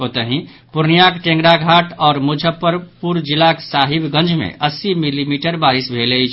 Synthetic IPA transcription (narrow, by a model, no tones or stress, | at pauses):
ot̪əɦĩ | puɾnijakʈẽŋɡɾaɡʱaʈɔːɾmud͡ʒʱəpːəɾpuɾd͡ʒilaksaɦibɡə̃nd͡ʒmḛʔəsimilimiʈəɾbaɾisbʱelət͡ʃʰ